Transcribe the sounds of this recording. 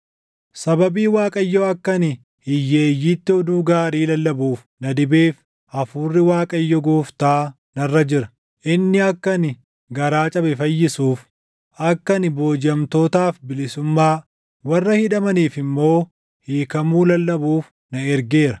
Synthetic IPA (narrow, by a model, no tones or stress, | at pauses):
sɐbɐbiːwaːkʼɐjːɔɐkːɐnɪ | hɪjːe̞ːjːiːt̪ːɪɔd̪uːɡaːɾiːlɐlːɐbuːf | nɐd̪ɪbeːf | ʔɐfuːrːɪwaːkʼɐjːɔɡoːft̪aː | nɐrːɐd͡ʒɪɾɐ̥ | ʔɪnːɪɐkːɐnɪ | ɡɐɾaːt͡ʃʼɐbɛfɐjːɪsuːf | ʔɐkːɐnɪbo̞ːd͡ʒɐmt̪o̞ːt̪aːfbɪlɪsʊmːaː | wɐrːɐhɪᶑ̪ɐmɐniːfɪmːo̞ː | hiːkɐmuːlɐlːɐbuːf | nɐɛɾɡe̞ːɾɐ